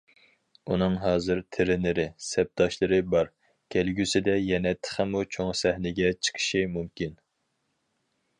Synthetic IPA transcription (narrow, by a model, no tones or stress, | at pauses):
unɨŋɦɑːzɨɾt̪ʰɪɾɪnɪɾɪsɛp̚d̪̥ɑʃlˠɨɾɨbɑɾ | kʲʰɛlɡʲysɪd̪ɛjɛnɛt̪ʰə̥χɪmut͡ʃʰoŋsɛhnɪɡʲɛt͡ʃʰə̥qʰʃimumkʲin